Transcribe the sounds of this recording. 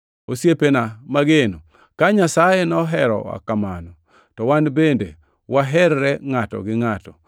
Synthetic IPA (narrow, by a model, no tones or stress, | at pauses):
osjepenamaɡeno | kaɲasajenɔɦɛɾɔ̰wa̰kamanɔ | tɔwanbende | waɦɛɾɾɛŋatɔ̰ɡɪŋatɔ